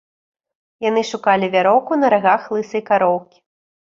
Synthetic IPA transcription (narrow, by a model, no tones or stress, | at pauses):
janɨʂukalʲivʲaɾɔwkunɐɾaɣaxlˠɨsɨjkaɾɔwkʲi̥